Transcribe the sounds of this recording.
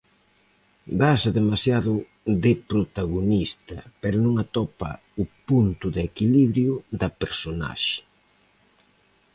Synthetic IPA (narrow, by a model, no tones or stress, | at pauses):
basɐðemasjaðʊ | ðɪpɾot̪aɣonist̪ɐpɛɾʊnũŋat̪ɔpɐ̰ | ʊpunt̪ʊðekiliβɾjʊd̪ɐpeɾsona̰ʃɪ̥